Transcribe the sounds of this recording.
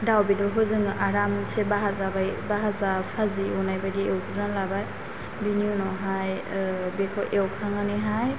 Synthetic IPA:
dawbidɔɾɦɔzɯŋʔaɾamsebaɦazabajbaɦazapʰaziɔnajbajdiewkʰɯdanlabaj | binijunɔɦaj | bekʰɔʔewkʰaŋanɯɦaj

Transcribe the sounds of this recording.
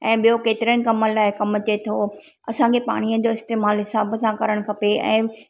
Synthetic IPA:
ɛ̃ːɓijokeːt̪ɪɾiənɪ̆kɐməlaːɪkɐmə̆t͡ɕet̪ʰo | ɐsãkʰepa̰ːɽ̃iə̃d͡ʑoːɪst̪eːmaːlɦɪsaːbsãkɐɾəɽ̃kʰɐpeɛ̰̃ː

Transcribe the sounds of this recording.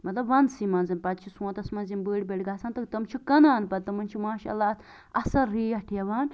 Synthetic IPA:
mɐt̪lɐbʋɐnsimanzɐnpɐd̪t͡ʃʰisũːt̪ɐsmɐnzinbəːɽʲbeɽɡaːsaːnt̪ɐkt̪ɐmt͡ʃʰukɐnaːnpɐd̪̚t̪ɐmɐnt͡ʃʰumaːʃa̰lːaːt̪ | ɐsɐɾːiːɐʈʰijɐʋaːn

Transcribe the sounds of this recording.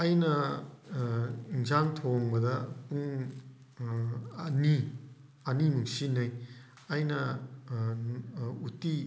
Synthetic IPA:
ɐjnɐ | iŋzaŋtʰoŋbɐdɐpuŋ | ni | ɐnimuŋsinɐj | ɐjnɐ | uti

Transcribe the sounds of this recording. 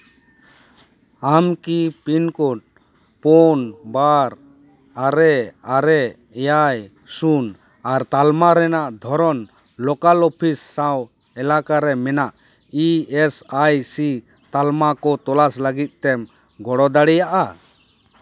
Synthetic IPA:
amkipinkɔʈ̚ | pɔnbaɾ | aɾɛaɾɛ | jaj | sun | aɾt̪almaɾɛnaʔd̪ʱɔɾɔn | lɔkalɔpʰisːaw | ɛlakaɾɛmɛnaʔ | iɛsajsi | t̪almakɔt̪ɔlasləɡit̪̚t̪ɛm | ɡɔɽɔd̪aɽɛjaʔa

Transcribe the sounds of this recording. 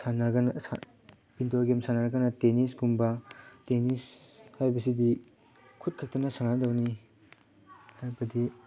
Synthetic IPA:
sanɐɡɐnɐsa̰ | pintoɾɡemsanaɾɐɡɐnɐtenis̬ɡumbɐtenishajbɐsidi | kʰut̚kʰak̚tɐnɐsaŋnadɐwni | hajbɐdi

